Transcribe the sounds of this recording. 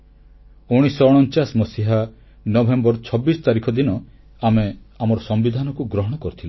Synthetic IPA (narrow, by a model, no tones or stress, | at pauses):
uɽ̃isɔɽ̃ɔnt͡ʃasmɔsiɦa | nɔbʱembɔɾt͡ʃʰɔbːisɔ̥t̪aɾikʰɔd̪inɔ | ameamɔɾɔsɔmbid̪ʱanɔkuɡɾɔɦɔɽ̃ɔkɔɾut̪ʰila